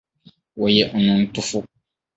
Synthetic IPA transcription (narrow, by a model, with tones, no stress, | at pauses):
wa˨jɛ˦ʔɔ̃˨nʊ̃˦n̩˦tʊ˦fʊ˦